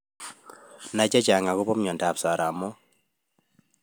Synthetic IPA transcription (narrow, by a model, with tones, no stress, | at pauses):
na˨t͡ʃa˦t͡ʃa˨ŋa˨kʊ˦pɔ˦m˦ɲɔ˨nta˨psa˨ɾa˨mɔ˦